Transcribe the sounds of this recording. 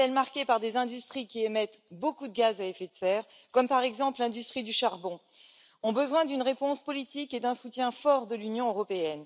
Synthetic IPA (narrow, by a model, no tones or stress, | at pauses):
ɛlmaʁkʲepaʁd̪ezɛ̃d̪yst̪χikʲiemɛt̪bokud̪əɡazaefet̪sɛʁ | kɔmpaʁɛɡzɑ̃plɛ̃d̪yst̪χid̪yʃaʁbɔ̃ | ɔ̃bəzwɛ̃d̪ynʁepɔ̃spɔlit̪iked̪ɛ̃sut̪jɛ̃fɔʁd̪əlynjɔ̃øʁɔpeɛn